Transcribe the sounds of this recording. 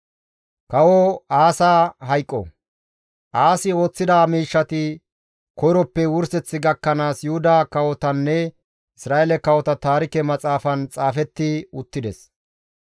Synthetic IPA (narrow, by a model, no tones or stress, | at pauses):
kɐwɔaːsaːɦɐjkʼːɔ̰ | ʔaːsɪo̞ːt͡sːɪd̪aːmiːʃːɐt̪ɪ | kɔjɾɔpːɛwʊɾsɛt͡sːɪɡɐkːɐnaːsjʊhʊd̪aːkɐwɔt̪ɐnːɛ | ɪsɾaːɛlɛkɐwɔt̪ɐt̪aːɾɪkɛmɐt͡sʼaːfɐnt͡sʼaːfɛt̪ːɪʊt̪ːɪd̪ɛs